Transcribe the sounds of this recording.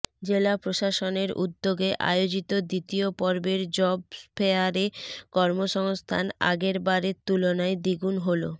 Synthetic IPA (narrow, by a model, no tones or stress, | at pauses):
d͡ʑelapɾoʃaʃoneɾʔṵd̪ːoɡeʔa̰jod͡ʑit̪od̪it̪iopɔɾbeɾd͡ʑɔbspʰeaɾekɔɾmoʃɔŋst̪ʰa̰na̰ɡeɾbaɾet̪ulonaed̪iɡunɦolo